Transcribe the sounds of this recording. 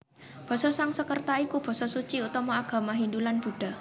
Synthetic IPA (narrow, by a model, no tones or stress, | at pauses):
b̥ɔ̤sɔsaŋsəkərt̪aikub̥ɔ̤sɔsut͡ʃiut̪ɔmɔaɡ̥ä̤maɦind̪ulanb̥ṳɖ̥a̤